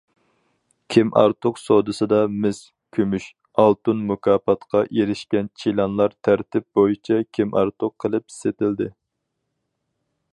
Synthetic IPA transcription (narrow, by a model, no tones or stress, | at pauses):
kʲʰimʔɑ̰ɾt̪ʰʊqsod̪ɨsɨd̪ɑmɪs | kʲʰømyʃ | ɑlˠt̪unmukʲʰɑːpɑt̪qʰɑʔeɾɪʃkʲɛnt͡ʃʰilˠɑnlˠɑɾt̪ʰæɾt̪ɪp̚bojit͡ʃʰɑkʲʰimʔɑ̰ɾt̪ʰʊqʰːəlˠɨpi̥set̪ɪld̪ɪ